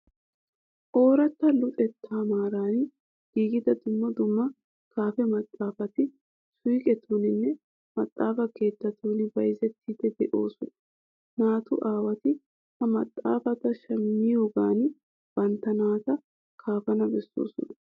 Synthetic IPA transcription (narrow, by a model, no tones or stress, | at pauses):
ʔo̞ːɾɐt̪ːɐlʊt̪ʼɛt̪ʰːaːmaːɾaːn | ɡ̥iːɡɪd̪ɐd̪ʊmːɐd̪ʊmːɐ | kaːfɛmɐt̪ʼːaːfɐt̪ɪ | sʊjɪkʼɛt̪ʰonɪnːɛ | mɐt̪ʼːaːfɐke̞ːt̪ːɐt̪ʰoːnɪbɐjzɛt̪ʰːɪd̪ɛd̪ɛʔo̞ːsʊnɐ | naːt̪ʊʔaːwɐt̪ɪ | hɐmɐt̪ʼːa̰ːfɐt̪ɐʃɐmːɪjoːɡaːn | b̥ɐnt̪ːɐnaːt̪ɐ | kʰaːfɐnɐbɛsːo̰ːsʊ̰nɐ